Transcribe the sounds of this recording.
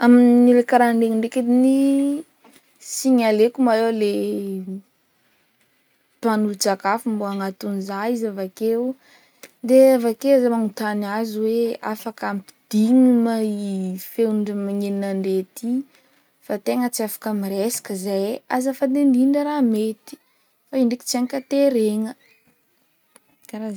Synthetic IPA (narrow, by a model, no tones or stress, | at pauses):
aminilekaɾaɳɖ͡ʐeŋiɳɖ͡ʐeked̪ini | siɲalekumaewle | panud͡ʒakafumbuaŋat̪unizaizavakew | d̪eavakewazamaŋut̪anaziwea̰fakampi̥d̪̥iŋimaifewnuɳɖ͡ʐəmaŋeninaɳɖ͡ʐet̪i | fat̪eŋət͡siafḁkamiɾesḁkəzajazafad̪end̪iɖ͡ʐəɾamet̪i̥ | faiɳɖ͡ʐeki̥t͡siaŋkat̪eɾeŋə | kaɾa